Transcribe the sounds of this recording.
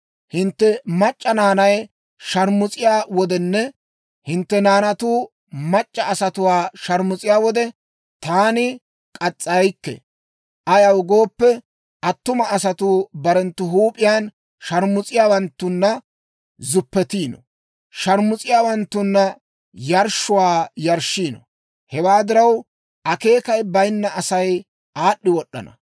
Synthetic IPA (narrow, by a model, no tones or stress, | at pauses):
hɪnt̪ːɛmɐt͡ʃʼːɐnaːnɐj | ʃɐɾmʊt͡sʼɪjaːwɔd̪ɛnːɛ | hɪnt̪ːɛnaːnɐt̪uː | mɐt͡ʃʼːɐːsɐt̪ʊwaːʃɐɾmʊt͡sʼɪjaːwɔd̪ɛ | t̪aːnɪ | kʼɐt͡sʼːɐjkːɛ̰ | ʔɐjɐwɡo̞ːpːɛ | ʔɐt̪ːʊmɐʔːsɐt̪uːbɐɾɛnt̪ːʊɦuːpʼɪjaːn | ʃɐɾmʊt͡sʼɪjaːwɐnt̪ːʊnːɐ | zʊpːɛt̪iːnɔ̰ | ʃɐɾmʊt͡sʼɪjaːwɐnt̪ːʊnːɐ | jɐɾʃʊwaːjɐɾʃiːnɔ̰ | hɛwaːd̪ɪɾɐw | ʔɐke̞ːkɐjbɐjnːɐʔɐsɐj | aːɗːɪwɔɗːɐ̰nɐ̰